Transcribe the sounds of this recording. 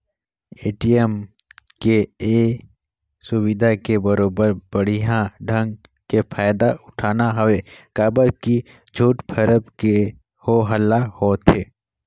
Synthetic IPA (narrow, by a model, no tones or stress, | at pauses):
eːʈiɛm | kee | sʊwɪd̪ʱakebəɾoːbəɾbəɽ̤iɦãɖʱə̃ŋɡ | kepʰaːjd̪aʊʈʰaːnaɦəwekaːbəɾki | d͡ʒʱuːʈpʰəɾəbke | hoɦəlahoːt̪ʰeː